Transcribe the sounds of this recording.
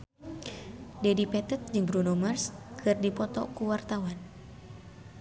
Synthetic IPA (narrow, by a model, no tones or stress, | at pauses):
dɛdipɛt̪ət̪̚d͡ʒɨŋbɾunomarskɨrdipɔt̪ɔ̰kuwart̪awan